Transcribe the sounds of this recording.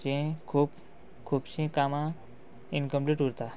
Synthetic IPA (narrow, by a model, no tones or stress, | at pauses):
t͡ʃẽkʰuːp | kʰuːbɕẽkamã | inkə̃mpliʈɦuɾt̪a